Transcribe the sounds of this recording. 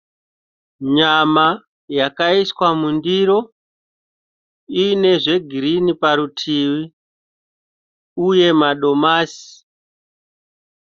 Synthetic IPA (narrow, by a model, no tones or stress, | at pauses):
ɲama | jakaiswamundiɾo̞ | ine̞ʐe̞ɡʱiɾinipaɾutʰiwi | uje̞maɗo̞maːsi̥